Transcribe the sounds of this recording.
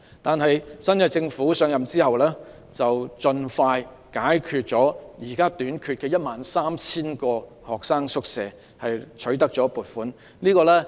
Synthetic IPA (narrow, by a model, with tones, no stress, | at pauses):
t̪aː˨nɦɐ˨jsɐ˥nkɐ˧t͡sɪ˧ŋfuː˨˥sœː˨˥ŋjɐ˨mt͡siː˥hɐ˨wlɛː˥ | t͡sɐ˨wt͡sɵ˧nfaː˧j | kaː˨˥jkʰyː˨t̚t͡sɔː˨˥jiː˨˩kaː˥t̪yː˨˥nkʰyː˧t̚kɛː˧jɐ˥t̚maː˨nsaː˥mt͡sʰiː˥nkɔː˧ | hɔː˨˩k̚saː˥ŋsʊ˥k̚sɛː˨ | hɐ˨jt͡ʃʰɵ˨˥ɥt̪ɐ˥k̚t͡ʃɔː˨˥puː˨˩t̚fuː˨˥n | liː˥kɔː˧lɛː˥